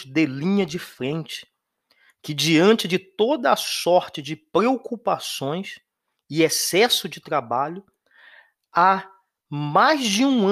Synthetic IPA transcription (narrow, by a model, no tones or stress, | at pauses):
d̪elĩɲɐd͡ʒɪfɾẽnt͡ʃɪ̥ | kɪd͡ʒiɐ̃nt͡ʃɪd͡ʒɪt̪od̪ɐːsɔɾt͡ʃɪd͡ʒɪpɾeokupasõj̃s | ɪesɛsʊd͡ʒɪt̪ɾabaʎʊ | a | majzd͡ʒɪũ